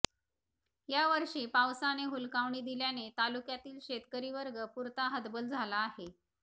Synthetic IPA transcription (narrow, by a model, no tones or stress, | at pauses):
jaʋəɾʂiːpawsaneɦulkaʋɳiːd̪iljanet̪alukjat̪iːlɕet̪kəɾiːʋəɾɡəpuɾt̪aɦəd̪bəld͡zʱalaːhe